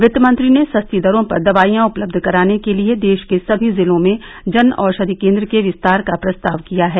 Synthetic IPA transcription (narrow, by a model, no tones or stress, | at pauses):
ʋɪt̪mɐ̃nt̪ɾinesɐst̪id̪ɐɾõpɐɾd̪ɐʋaːijãʊpləb̚d̪ʱkɐɾaːnekelied̪eːʃkesɐbʱizɪlõmẽ | d͡ʒɐnɔːɾʃɐd̪ikẽːnd̪ɾəkeʋɪst̪aːɾkapɾɐst̪aːʋkijaɦɛː